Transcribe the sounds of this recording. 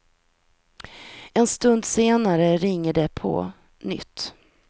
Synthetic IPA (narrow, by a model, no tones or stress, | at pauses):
ɛnst̪ɵnd̪seːnaɾəɾɪŋːəɖɛpʰɔ̰ | nʏ̰t̪ː